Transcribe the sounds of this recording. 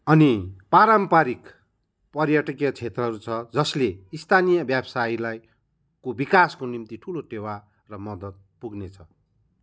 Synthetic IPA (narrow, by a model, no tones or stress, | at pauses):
ʌnipaɾʌmpaɾik | pʌrjaʈʌkeʌt͡sʰet̪rʌɦʌɾut͡sʰʌd͡zʌsleist̪ʰanijʌbjabsailaj | kobikaskonimt̪iʈʰuloʈewa | rʌmʌd̪ʌt̪̚puɡnet͡sʰʌ